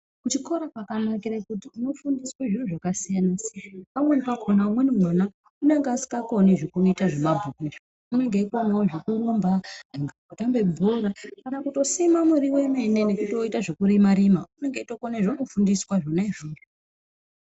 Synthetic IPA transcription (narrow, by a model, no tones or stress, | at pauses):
kut͡ʃiko̞ɾapakanakiɾakutiuno̞fundisweʐinuʐakasijanasianpamwenipakʰonaumwenimwana | une̞ŋɡeasi̥kako̞niʐokunoitaʐemabʱukuʃa | une̞ŋɡeiko̞naoʐokurumbaaŋɡakutambe̞bʱoɾakanakuto̞simamuɾiwe̞me̞ne̞ne̞kutiwo̞itaʐokuɾimaɾimaune̞ŋɡeito̞koneʐonofundiswaʐonaiʐoːro